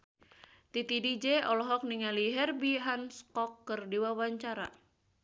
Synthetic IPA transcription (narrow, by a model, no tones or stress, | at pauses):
t̪it̪idid͡ʒeɔlɔɦɔk̚niŋaliɦɛrbiɦanskɔkːərdiwawaɲt͡ʃaɾa̰